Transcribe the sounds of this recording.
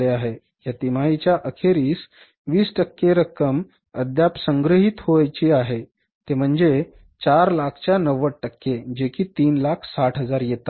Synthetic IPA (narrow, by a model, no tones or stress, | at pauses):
eaɦe | jat̪imait͡ɕjaʔəkʰeɾiːs | ʋiːsʈəkːeɾəkːəm | əd̪japsəŋɡɾəɦit̪ɦoajt͡ɕiaɦe | t̪em̤əɳd͡ze | t͡ɕaɾlakʰt͡ɕjanəʋəʈʈəkːed͡ʑekʰiːt̪iːnlakʰsaʈɦəd͡zaɾjet̪a